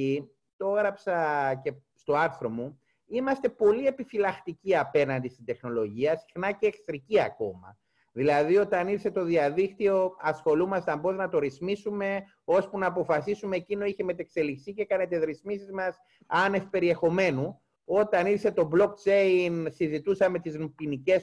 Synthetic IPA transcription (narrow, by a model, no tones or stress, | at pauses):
i | t̪oeɣɾɐpsɐce̞st̪o̞ɐɾθɾo̞mu | imɐst̪e̞po̞lie̞pifilɐxt̪iciɐpe̞nɐnd̪ist̪ind̪e̞xno̞lo̞ʝiɐsi̥xnɐce̞ːkst̪ɾiciɐko̞mɐ̰ | ðilɐðio̞t̪ɐniɾse̞t̪o̞ðiɐðikt̪io̞ɐsxo̞lumɐst̪ɐmboðenɐt̪o̞ɾismisume̞ | o̞spunɐːpo̞fɐsisumeːcino̞içemet̪ekse̞liksice̞kɐne̞t̪e̞ɾizmisizmɐs | ɐne̞fipe̞ɾie̞xo̞me̞nu | o̞t̪ɐniɾse̞t̪o̞blo̞k̚t͡ʃe̞insizit̪usɐme̞t̪iznpinice̞s